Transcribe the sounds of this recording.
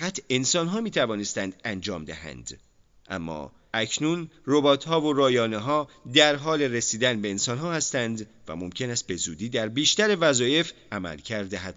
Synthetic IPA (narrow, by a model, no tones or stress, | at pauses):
æt̪ʰe̞nsɒnɦɒːmiːt̪ʰævɒːne̞st̪ænd̪ænd͡ʒɒ̰ːmd̪æhæ̰nd̪̥ | ʔæ̰mːɒ̰ː | ʔæcʰnunro̞bɒːt̪ʰhɒːvo̞ɾɒːjɒːneɦɒːd̪æɾɦɒːle̞ɾesiːd̪ænbe̞ːnsɒnɦɒːhæst̪ænd̪væ̰mo̞mcʰe̞næst̪̚be̞zuːd̪iːd̪æɾbiːʃt̪æɾe̞væzɒːje̞f | æmæ̰lcʰæɾd̪eɦæd̪̥